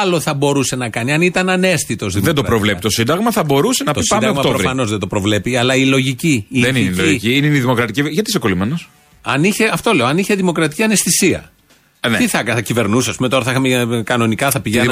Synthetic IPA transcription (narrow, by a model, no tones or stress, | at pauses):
ɐlo̞θɐbo̞ɾuse̞nɐkɐniɐnit̪ɐnɐne̞sθit̪o̞zðimðed̪oɐpɾovle̞piit̪osind̪ɐɣmɐθɐbo̞ɾusenɐtosɐmd̪eɣmɐtɾofɐno̞zðed̪o̞pɾo̞vle̞piɐlɐilo̞ʝiciienineiloʝiciineniðimo̞kɾɐt̪iciʝɐt̪isekolimenos | ɐniçe̞ɐft̪ole̞oɐniçeðimo̞kɾɐt̪i̥ciɐne̞sθisiɐ̰ | nt̪iθɐkθɐcive̞ɾnusɐspume̞t̪o̞ɾɐθɐixɐmekɐno̞nikɐθɐpiʝenn